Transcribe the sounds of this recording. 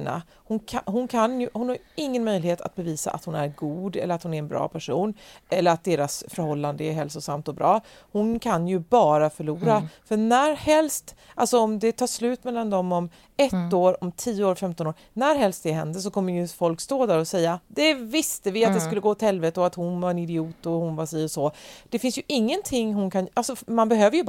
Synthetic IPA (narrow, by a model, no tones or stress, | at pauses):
na̰ | hʊnkʰɦʊnkʰanjɵhʊnhaɾjɪŋːənmœjlɪheːt̪ʰa̰t̪̚bɛviːsa̰ʔa̰t̪hʊnæɾɡuːd̪ɛ̰ləɾat̪hʊnæɾɛnbɾɑ̰ːpʰæʂuːnʔɛlːəɾat̪̚d̪eːɾasfœɾhɔlːand̪əɛɾɦɛlsʊsamt̪ɔbɾʔɑː | hʊnkʰanjɵbɑːɾafœɭuːɾafœɳæɾhɛlst̪ʔalsɔɔmd̪ɛt̪ʰɑːʂlʉ̟ːt̪mɛlːand̪ɔmːɔm | ɛtt̪ːoːɾɔmt̪ʰiːəoːɾfɛmt̪ɔnoːɾ | næɾɦɛlst̪d̪ɛɦɛ̰nd̪əs̬ɔkʰɔmːəjɵfɔlkst̪oːd̪æɾɔsɛjːad̪ɛvɪst̪əvɪat̪̚d̪ɛskɵlːəɡoːɔt̪hɛlvɛːt̪əɔat̪hʊnvaɾɛnɪd̪ɪuːt̪ɔhʊnvaʂiːɔsɔd̪̥ɛfɪnsjɵʔɪŋːənt̪ʰɪŋːɦʊnkʰanʔalsɔmanbɛɦøːvəɾjɵ